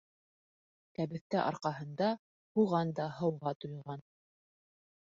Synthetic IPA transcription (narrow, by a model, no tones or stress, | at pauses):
kæβɘ̆θt̪æʔɑ̰ɾqɑɦɤ̆nd̪ɑ | huʁɑnd̪ɑɦɤ̆wʁɑt̪ujˠʁɑn